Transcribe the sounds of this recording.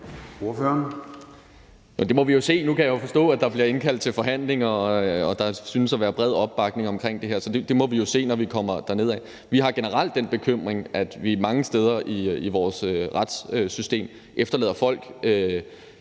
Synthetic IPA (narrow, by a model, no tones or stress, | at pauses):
oɐføɐn | jod̥e̝mɒ̽ʋijo̝se̝̰ːnukʰæjɑjofɒ̽sd̥ɔ̰̽ːæd̥ɑ̈b̥liɐe̝nkʰæl̰d̥̚t͡sʰe̝lfɒ̽ɦæn̰le̝ŋɒɒ̽d̥ɑ̈synəsɒʋæːɐb̥ʁɛð̞̰ˠɒ̽b̥ːɑ̈ɡ̥ne̝ŋɒ̽mkʰʁeŋ̰d̥e̝ɦeɐsɒ̽d̥e̝d̥e̝mɒ̽ʋijo̝se̝̰ːnɒʋikʰɒ̽m̰ɐd̥æɐne̝ð̞̰ˠɛ | ʋiɦɑ̈ɡ̥e̝nəʁɑ̈l̰d̥̚ːenb̥e̝kʰøm̰ʁeŋʔæd̥ʋimɑ̈ŋəsd̥eːð̞ˠɐʔiiʋɒːsøʁɑd̥søsysd̥e̝̰ːm | ʔefd̥ɐlḛːðˠɐfɒ̽l̰ɡ̥ø